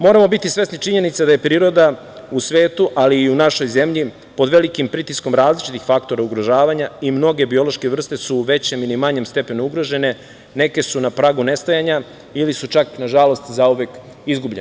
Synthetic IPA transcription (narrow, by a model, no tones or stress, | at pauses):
mo̞ːɾamo̞bit̪isʋe̞snit͡ʃiɲe̞nit̪sad̪aje̞pɾiːɾo̞d̪a | usʋe̞ːt̪uʔaliːunaʃo̞jze̞mʎi | po̞d̪ʋe̞likimpɾit̪isko̞mɾaːzlit͡ʃit̪ixfakt̪o̞ɾauɡɾo̞ʒaːʋaɲaimno̞ɡe̞bio̞lo̞ʃke̞ʋr̩st̪e̞suʋe̞t͡ɕe̞milimaɲe̞mst̪e̞pe̞nouɡɾo̞ʒe̞ne̞ | ne̞ke̞sunapɾaːɡune̞st̪ajaɲa | ilisut͡ʃaknaʒalo̞st̪zauʋek | izɡubʎen